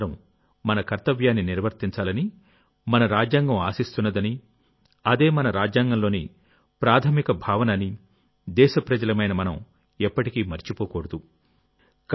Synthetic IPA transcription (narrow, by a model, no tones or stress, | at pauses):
ɾɐm | mɐnɐkɐɾt̪ɐʋjaːnːiniɾʋɐɾt̪iɲt͡ʃaːlɐni | mɐnɐɾaːd͡ʒjaːŋɡɐmaːsist̪unːɐd̪ɐni | ɐd̪e̞ːmɐnɐɾaːd͡ʒjaːŋɡɐmlo̞ːni | pɾaːt̪ʰɐmikɐbʱaːʋɐnɐni | d̪ɛːʃɐpɾɐd͡ʒɐlɐmɐjnɐmɐnɐm | ɛpːɐʈikiːmɐɾt͡ʃipoːkoːɽɐd̪u | k